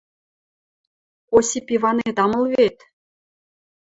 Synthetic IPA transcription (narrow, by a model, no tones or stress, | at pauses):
osipʲivɑnet̪ɑmɤ̆lˠβet̪